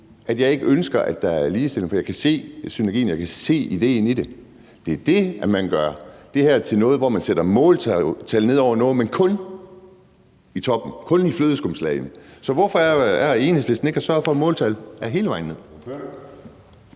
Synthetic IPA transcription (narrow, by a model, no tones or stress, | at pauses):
ʔæd̥jɑ̈ɪe̝ɡ̥əønsɡ̥ɐʔæd̥ɑ̈æɐliːsd̥e̝l̰ŋ̩fɒ̽jɑ̈ɪkʰæse̝̰ːsynæɐɡḭːn̩jɑ̈ɪkʰæse̝̰ːid̥e̝̰ːnid̥e̝ | d̥e̝æɐd̥e̝æmænɡ̥ɶɐ̰d̥e̝hæɐt͡sʰe̝lnɔ̽ːð̩ˠʋɒmænseɾ̥ɐmɔ̽ːlt͡sʰt͡sʰælne̝ð̞̰ˠɒʊ̰ɐnɔ̽ːð̩ˠmenkʰɔ̽n | it͡sʰɒ̽b̥n̩kʰɔ̽nifløːð̞ˠsɡ̥ɔmslɛ̰ɪnəsɒ̽ʋɒfɒæɐe̝ːnhesle̝sd̥n̩e̝ɡ̥æsɶɐfɒ̽mɔ̽ːlt͡sʰælæɐɦe̝ːləʋɑ̈ɪ̰nːe̝ð̰ˠ